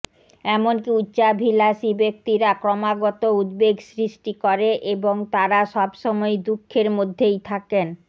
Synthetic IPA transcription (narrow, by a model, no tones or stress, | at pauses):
ɛmonkiutːɕabʱilaʃibek̚t̪iɾakɾɔmaɡɔt̪oud̪̚beɡsɾiʃʈikɔɾeʔeboŋt̪aɾaʃɔbʃɔmɔed̪ukʰːeɾmod̪ʱːejt̪ʰaken